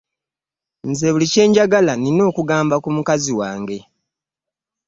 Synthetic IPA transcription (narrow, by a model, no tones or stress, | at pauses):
nze̞ːβulice̞ːɲɟaɡalanino̞ːkuɡaːmbakumukaziwaːŋɡe̞